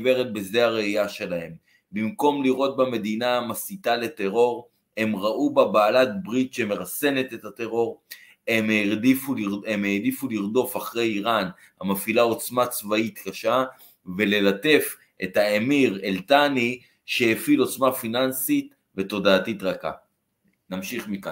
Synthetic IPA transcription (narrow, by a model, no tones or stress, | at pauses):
be̞ʁet̪̚bezeaʁeijaʃe̞lahe̞m | bimko̞mliʁo̞t̪̚bame̞d̪inaːmasit̪ale̞te̞ʁo̞ʁ | e̞mʁaʔubabaːlat̚bʁitʃe̞me̞ʁase̞ne̞t̪e̞tat̪e̞ʁo̞ʁ | emʁdifuiemeːdifuliʁdo̞faχʁe̞jiʁan | hamafilao̞t͡smat͡svait̪kaʃa | ve̞le̞late̞f | ʔe̞thaemiʁeltani | ʃehefilo̞t͡smafinansit̪ | ve̞to̞daːtit̪ʁaka̰ | namʃiχmika